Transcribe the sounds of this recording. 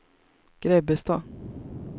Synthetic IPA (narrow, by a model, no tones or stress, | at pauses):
ɡ̥ɾɛbəst̪ɑ